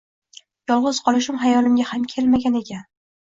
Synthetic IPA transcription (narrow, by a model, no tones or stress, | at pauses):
jɒlˠʁʊz̥qʰɒlˠɪʃ̬ɪmɦajɒlɪmɡʲahamkʲʰelmaɡʲane̞kʲʰan